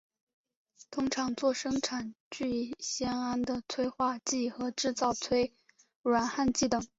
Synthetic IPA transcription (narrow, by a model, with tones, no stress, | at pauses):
t̪ʰʊ˥ŋʈ͡ʂʰɑ˧˥ŋt͡swɔ˥˩ʂɤ˥ŋʈ͡ʂʰa˨˩nt͡ɕy˥˩˥ɕjɛ˥na˥nd̪ə˨t͡sʰwe˥ɪxwa˥˧t͡ɕi˥˩xɤ˧˥ʈ͡ʂɻ̩˥˧t͡sɑ˥˩ʊt͡sʰwe˥ɪ | ɻwa˧˥nxa˥˧nt͡ɕi˥˩t̪ɤ˨˩ŋ